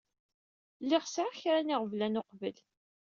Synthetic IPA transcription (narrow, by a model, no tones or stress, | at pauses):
lːɪʁsʕaçɾænɪʁvlænʊqvəl